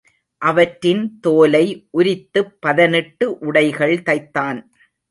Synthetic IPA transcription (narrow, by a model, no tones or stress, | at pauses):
ʔɐʋɐʈɾɪnt̪oːlɐɪʔʊɾɪt̪ːɯpːɐðɐnɪʈːɯʔʊɽɐɪɣɐɭt̪ɐɪt̪ːaːn